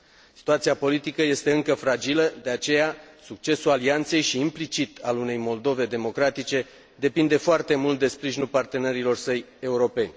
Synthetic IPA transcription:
ssi̥t̪uat̪siapo̞lit̪ikəje̞st̪e̞ɨŋkəfɾad͡ʒiləd̪e̞at͡ʃe̞jasuk̚t͡ʃe̞sulaliant̪se̞jʃiːmplit͡ʃit̪ʰalune̞jmo̞ld̪o̞ve̞d̪e̞mo̞kɾat̪it͡ʃe̞ | d̪e̞pind̪e̞foart̪e̞mult̪̚d̪e̞spɾiʒinulpart̪e̞ne̞ɾilo̞rsəj | e̞uɾo̞pe̞nʲ

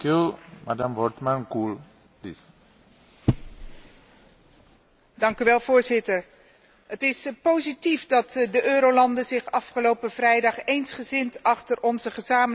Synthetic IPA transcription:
kumadamvɔtmankul | plis | dɑŋkyʋɛlˠvʊːɹzɪtəɹ | ɦətɪspowzitifdɑtdəʔøːɾowlɑndəzɪχɑfχəlowpəv̥rɛjdɑχejnsχəzɪntɑχtəɹʔɔnzəχəzaːmə

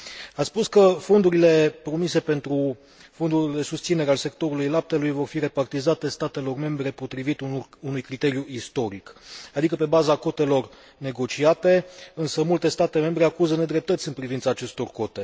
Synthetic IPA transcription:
at̪spuskəfo̞nd̪uɾile̞pɾo̞mise̞pe̞nt̪ɾu | fo̞nd̪uld̪e̞sust̪sine̞ɾealse̞kt̪o̞ɾulujlap̚t̪e̞lujvo̞rfiɾe̞part̪izat̪e̞st̪at̪e̞lo̞rme̞mbɾe̞po̞t̪ɾivit̪uunujkɾit̪e̞ɾjuist̪o̞ɾikad̪ikəpe̞bazako̞t̪e̞lo̞r | ne̞ɡo̞t͡ʃiat̪e̞ɨnsəmult̪e̞st̪at̪e̞me̞mbɾe̞akuzəne̞d̪ɾe̞p̚t̪ət̪sʲɨnpɾivint̪saːt͡ʃe̞st̪o̞rko̞t̪e̞

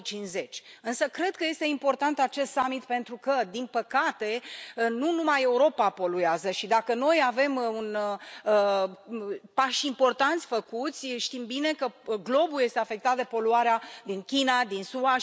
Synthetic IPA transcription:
t͡ʃinze̞t͡ʃʲɨnsəkɾe̞d̪̥̚kəje̞st̪e̞impo̞rt̪ant̪at͡ʃe̞st̪samit̪pe̞nt̪ɾukəd̪inpəkat̪e̞nunumaje̞uɾo̞papo̞lueazəʃid̪akəno̞jave̞mun | paʃimpo̞rt̪ant̪sʲfəkut̪sʲʃt̪imbine̞kəɡlo̞bulje̞st̪eafe̞k̚t̪at̪̚d̪e̞po̞luaɾead̪inkʲinad̪insua

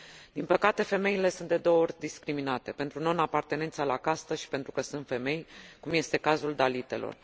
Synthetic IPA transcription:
d̪̥inpəkat̪e̞fe̞me̞ile̞sund̪e̞d̪o̞oo̞rʲd̪iskɾiminat̪e̞pe̞nt̪ɾuno̞napart̪e̞ne̞nt̪səlakast̪əʃi̥pent̪ɾukəsunt̪fe̞me̞jkumje̞st̪e̞kazuld̪alit̪e̞̰lo̞̰r

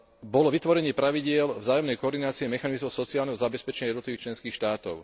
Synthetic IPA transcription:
bɔlɔʋit̪ʋɔɾɛɲɪɛpɾaʋiɟɪɛlvzaːjɔmnɛjkɔɔɾd̪inaːt͡siɛmɛxanizmɔʊsɔt͡sialnɛɦɔzabɛspɛt͡ʃɛɲajɛd̪nt̪liʋiːkt͡ʃlɛnskiːxʃt̪aːt̪ɔʊ

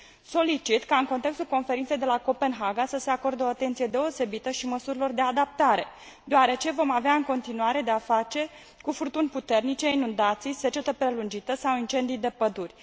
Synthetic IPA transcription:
so̞lit͡ʃit̪kaɨnko̞nt̪e̞kst̪ulko̞nfe̞ɾint̪se̞jd̪e̞lako̞pe̞nɦaɡasəse̞ako̞rd̪eoat̪ent̪sije̞d̪e̞o̞se̞bit̪əʃiməsuɾilo̞rd̪e̞ad̪ap̚t̪aɾe̞̰ | d̪oaɾe̞t͡ʃe̞vo̞maveaɨŋko̞nt̪inuaɾe̞d̪e̞afat͡ʃe̞ | kufurt̪unʲput̪e̞rnit͡ʃe̞inund̪at̪sijse̞t͡ʃe̞t̪əpɾe̞lund͡ʒit̪əsawint͡ʃe̞nd̪ijd̪e̞pəd̪urʲ

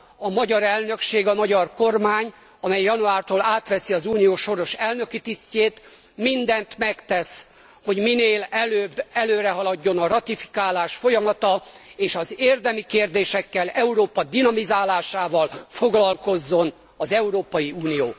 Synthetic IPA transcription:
ɒmɒɟɒɾɛlnø̞kʃeːɡɒmɒɟɒrko̞rmaːɲ | ɒmɛjːɒnuaːrt̪oːlaːt̪ʋɛsiɒzuːnijoːʃo̞ɾo̞ʃɛlnø̞kit̪isceːt̪ | mind̪ɛnt̪mɛkt̪ɛs | ho̞ɟmineːlɛløːbːɛløːɾɛɦɒlɒɟːo̞nɒrɒt̪ifi̥kaːlaːʃfo̞jɒmɒt̪ɒeːʃɒzeːrd̪ɛmikeːrd̪eːʃɛkːɛlɛuɾoːpɒd̪inɒmizaːlaːʃaːvɒlfo̞ɡlɒlko̞zːo̞n | ɒzɛuɾoːpɒjiuːnijo̰ː

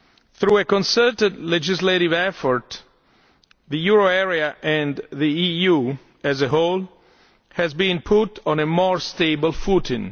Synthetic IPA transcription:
θɾuekɔ̃nsɜtədlɛd͡ʒɪzleɾivɛfɔɹt̪ | ðəjuɹoɛɹiaʔɛ̃nðiiju | æzəɦol | hɛzbĩnpʰutɔ̃nemɔɹst̪eɪbəlˠfutɪ̃n

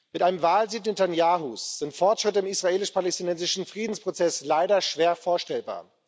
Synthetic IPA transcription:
mɪtʔaɪnəmvaːlziːt̚nɪtʰanjaːɦusz̥ɪntfɔɐtʃʁ̥ɪtəɪmisʁ̥aeːlɪʃpʰalɛstinɛnzɪʃn̩fʁ̥iːdn̩spʁ̥ot͡sɛslaɪɾɐʃv̥eːɐfoːɐʃtɛlba̰ːɐ

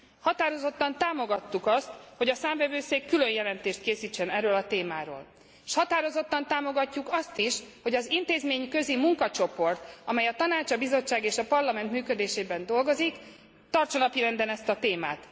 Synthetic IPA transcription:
hɒt̪aːɾo̞zo̞t̪ːɒnt̪aːmo̞ɡɒt̪ːukɒst̪ho̞ɟɒsaːɱvɛvøːseːkːylø̞jjɛlɛnt̪eːʃt̪keːsiːt͡ʃːɛnɛrːøːlɒt̪eːmaːɾo̰ːl | ʃhɒt̪aːɾo̞zo̞t̪ːɒnt̪aːmo̞ɡɒcːukɒst̪iʃho̞ɟɒzint̪eːzmeːɲkøzimuŋkɒt͡ʃo̞po̞rt̪ɒmɛjɒt̪ɒnaːt͡ʃɒbizo̞t͡ʃːaːɡeːʃɒpɒrlɒmɛnt̪myːkø̞d̪eːʃeːbɛnd̪o̞lɡo̞zik | t̪ɒrt͡ʃɒnɒpiɾɛnd̪ɛnɛst̪ɒt̪eːma̰ːt̪

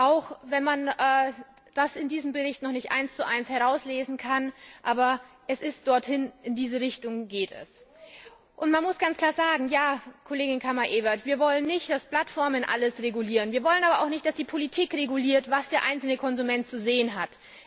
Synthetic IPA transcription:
ʔaʊxvɛnmanʔɛː | d̥asɪndiːzəm̩bəʁɪçtnɔχnɪçtʔa̰ɪnst͡suʔaɪnshɛʁ̞aʊsleːzn̩kʰanʔaːbɐ | ʔɛsɪst̚d̥ɔɐthɪnɪndiːzəʁɪçtʊŋɡeːtɛ̰s | ʔʊntmanmʊsɡ̥ant͡skʰl̥aːɐzaːɡŋ̩jaːkʰoleːɡɪnkʰamaʔeːbɐtv̥iːɐvɔlənːɪçtd̥aspl̥atfɔɐmənʔa̰ləsʁeɡuliːʁənviːɐvɔlənʔaːbɐʔa̰ʊxnɪçt̚d̥asd̥iːpʰolitʰiːkʁeɡuliːɐtvasd̥eːɐʔa̰ɪnt͡sl̩nəkʰɔnzumɛnt̚t͡suzeːənɦat

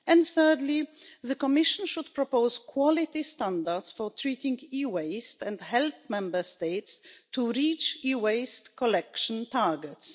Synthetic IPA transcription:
ɛ̃ndθɜ˞dliðəkɔmɪʃə̃nʃud̪̚pɹɔpoʊz̥kʰwɔlɪt̪istãndədsfɔ˞tʰɹitɪ̃ŋɡiweɪstɛ̃ndhɛlp̚mɛ̃mbə˞steɪtstuɹit͡ʃiweɪstkɔlɛkʃə̃ntaɹɡɛts

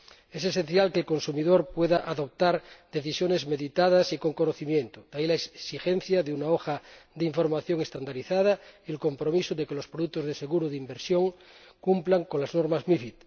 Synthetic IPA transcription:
ese̞sẽn̟θjalkelko̞nsumiðoɾpweðaʔaðo̞p̚t̪aɾd̪e̞θisjone̞zme̞ðit̪að̞asikoŋkonoθimjẽnt̪od̪̥ailaesixen̟θjaðeunaoxad̪eiɱfo̞ɾmaθjoŋest̪and̪aɾiθað̞aielko̞mpɾomisoðekelo̞spɾoðuk̚t̪ozðeseɣuɾoðeimbeɾsjoŋ | kumplaŋkonlaznoɾmazmifit̪

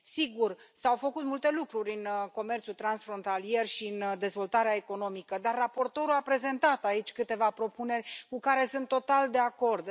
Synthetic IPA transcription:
siɡursawfəkut̪mult̪e̞lukɾuɾʲɨnko̞me̞rt̪sult̪ɾansfɾo̞nt̪alije̞rʃind̪e̞zvo̞lt̪aɾeaeko̞no̞mikəd̪arːapo̞rt̪o̞ɾuapɾe̞ze̞nt̪at̪ait͡ʃʲkɨt̪e̞vapɾo̞pune̞rʲkukaɾe̞sɨnt̪ːot̪ald̪e̞ako̞rd̪

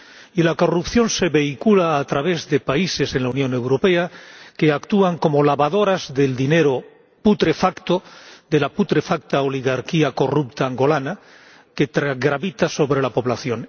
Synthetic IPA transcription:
ilako̞rupθjo̞nse̞βe̞ikulaːt̪ɾaβe̞zðe̞paise̞se̞nlaunjõ̞ne̞wɾo̞pe̞ake̞akt̪uaŋko̞molaβaðo̞ɾazðe̞ld̪ine̞ɾo | put̪ɾe̞fakt̪oðe̞laput̪ɾe̞fak̚t̪aoliɣaɾkiako̞rupt̪aːŋɡo̞lana | ke̞t̪ɾaɣɾaβit̪aso̞βɾelapo̞βlaθjo̞n

